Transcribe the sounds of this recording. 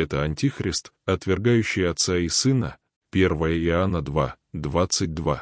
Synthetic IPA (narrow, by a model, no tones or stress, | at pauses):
ɛt̪əɐnʲtʲixɾʲɪst̪ | ɐt̪vʲɪrɡajʉɕːɪjɐt̪saɪsɨnə | pʲe̞rvəjəɪanːəd̪vad̪vat̪sɨt̚ʲd̪va